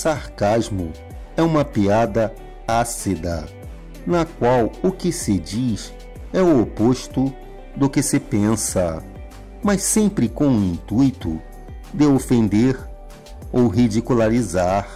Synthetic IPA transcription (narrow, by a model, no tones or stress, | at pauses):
saɾkazmʊ | ɛũmɐpiad̪ɐ | asid̪ɐ̰ | nɐkwawʊkɪsɪd͡ʒiʃ | ɛʊopoʃt̪ʊ | d̪ʊkɪsepẽsɐ | mɐssẽmpɾɪkõʊĩnt̪ujt̪ʊ̰ | d̪eofẽnd̪eɾ | owɦid͡ʒikulaɾizaɾ